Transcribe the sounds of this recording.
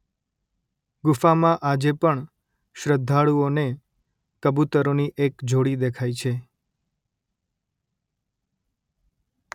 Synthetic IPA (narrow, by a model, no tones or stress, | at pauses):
ɡʊfamãʔad͡ʒepəɳ | ʃɾəd̪ʱːaɭuone | kəbut̪əɾoniʔekd͡ʒʱoɽid̪ekʰajt͡ʃʰe